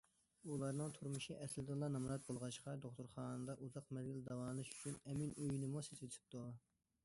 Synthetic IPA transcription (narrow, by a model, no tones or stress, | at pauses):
ulˠɑɾnɨŋt̪ʰuɾmuʃiʔɛslɪd̪ulˠɑnɑmɾɑt̪̚bolˠʁɑʃqɑd̪oχt̪uɾχɑːnɨd̪ɑʔuzɑqmɛzɡʲild̪ɑwɑːnˠɨʃy̥t͡ʃʰynɛminøjnɪmuseset̪ʰɪ̥p̚t̪ʰu